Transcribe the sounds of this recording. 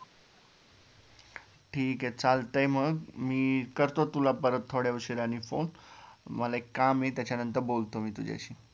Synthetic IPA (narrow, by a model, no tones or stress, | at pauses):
ʈʰiːkɦɛt͡saːlt̪əjməmiːkəɾt̪ot̪ulapəɾət̪ʰːoɽjauʃiɾanifo̰ːnməleekːaːmẽt̪at͡ɕʰanə̃nt̪əɾboːlt̪omĩt̪ud͡ʒa̰jt͡ʃʰi